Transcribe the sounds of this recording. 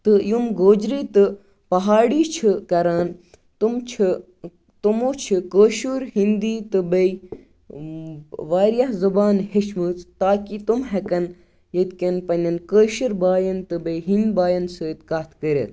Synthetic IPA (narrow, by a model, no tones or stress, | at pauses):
t̪ɨjumɡoːd͡ʒɾiːt̪ɨ | pɐɦaːɽiːt͡ʃʰikɐɾaːn | t̪umt͡ʃʰ | t̪umoːt͡ʃʰikəːʃuɾɦind̪iːt̪ɨbɐj | ʋaːɾjaɦzɐbaːnheʃmɨt͡st̪aːkit̪umɦɛkɐn | jɐt̪kʲɐnpɐnʲɐnkəːʃuɾbaːjɐnt̪ɨbɐjɦind̪baːjɐnsəːt̪kaːt̪ʰkəɾʲɐ̰t̪ʰ